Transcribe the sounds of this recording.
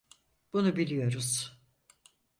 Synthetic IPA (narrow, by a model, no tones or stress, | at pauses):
b̥unubilʲijo̞ɾuz̥